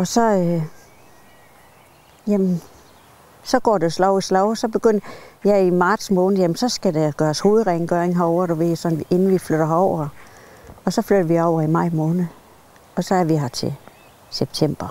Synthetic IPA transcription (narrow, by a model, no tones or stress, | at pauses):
ɒ̽sɒ̽ø | jæmn | sɒ̽ɡ̥ɒ̰ːd̥eslɒʊislɒʊsɒ̽b̥e̝ɡ̥øn̰jæimɑ̈ːd̥smɔːnð̩ˠjæmnsɒ̽sɡ̥ædeɡ̥ɶːɐsho̝ːð̩ˠʁeŋɡ̥øɐeŋɦɑɒʊɐɾoʋe̝ð̰sɒnʋiʔe̝nn̩ʋifløɾ̥ɐɦɑɒʊ̰ɐ | ɒ̽sɒ̽fløɾ̥ɐʋiɒʊ̰ɐimɑ̈ɪ̰mɔ̽ːnð̩ˠ | ɒ̽sɒ̽æɐʋiɦæt͡sʰe̝ | seb̥̚t͡sʰem̰b̥ɐ